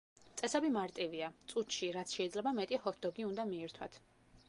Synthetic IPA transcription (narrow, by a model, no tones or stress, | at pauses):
t̪sʼɛsɛbimaɾt̪ʼiviat̪sʼut̪ʃiɾat̪sʰʃɛid̪zlɛbamɛt̪ʼihɔt̪̚d̪ɔɡiund̪amiɛɾt̪ʰwa̰t̪ʰ